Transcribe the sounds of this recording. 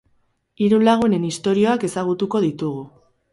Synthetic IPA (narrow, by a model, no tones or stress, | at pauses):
iɾulaɣ̞une̞nist̪o̞ɾio̞ake̞saɣ̞ut̪uko̞ðit̪uɣ̞u